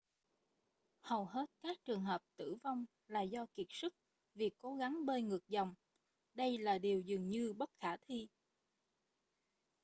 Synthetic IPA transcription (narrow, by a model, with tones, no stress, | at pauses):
hə˨˩wɦe˦˥t̚kaː˦˥k̚t͡ɕɨ˨˩əŋɦəː˨˩p̚t̪ɨ̰˧˩va˧wŋ͡m | laː˨˩zɔ˧ki˨˩ət̚sɨ˦˥k̚ | vi˨˩əkːo˨˦ɣa˨˦ŋɓəː˧ŋɨ˨˩ək̚zɔ˨˩wŋ͡m | ɗə˧jlaː˨˩ɗi˨˩əwzɨ˨˩əŋɲɨ˧ɓə˦˥t̚xaː˧˩t̪ʰi˧